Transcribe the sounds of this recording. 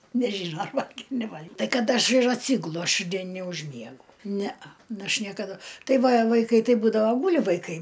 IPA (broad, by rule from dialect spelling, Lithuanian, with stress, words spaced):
nʲɛˈʒʲiːnoː ɐr ˈʋɐlʲɡʲeːm nʲɛˈʋɐlʲkʲ ˈtɐɪ ˈkɐt ˈɐʃ ɪr ɐtʲˈsʲiːɡʊlˠʊ ɐʃ ˈdʲiɛn nʲɛʊʒʲˈmʲiɛɡʊ ˈnʲɛɐ ˈnʊ ˈɐʃ nʲiɛkɐˈdʊ ˈtɐɪ ˈʋɐ ʋɐɪˈkɐɪ ˈtɐɪ ˈbuːdɐʋoː ˈɡuːlʲɪ ʋɐɪˈkɐɪ